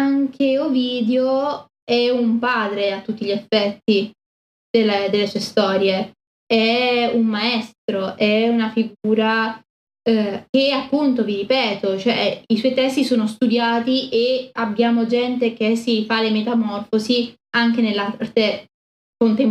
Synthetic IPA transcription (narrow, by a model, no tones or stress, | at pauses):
aŋk̟ʰeoviːd̪eo | ɛumpaːd̪ɾeat̪ːut̪ːiʎefːɛt̪ːi | d̪̥elːed̪elːesuːest̪ɔːɾje | ɛumːaɛst̪ɾoʔɛunafiɡuːɾa | k̟eapːunt̪oviɾipɛːt̪ot͡ʃoɛ̰iswɔjt̪ɛst̪isoːnost̪ud̪jaːt̪iʔeabːjaːmod͡ʒɛnt̪̬ek̟esifalemet̪amɔrfozi | aŋk̟enelːart̪e | kont̪em